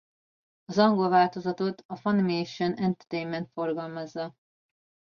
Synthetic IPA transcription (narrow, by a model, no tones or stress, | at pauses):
ɒzɒŋɡo̞lvaːlt̪o̞zɒt̪o̞t̪ɒfɒnmejʃonɛnt̪ɛrt̪ejnmɛnt̪fo̞rɡɒlmɒzːɒ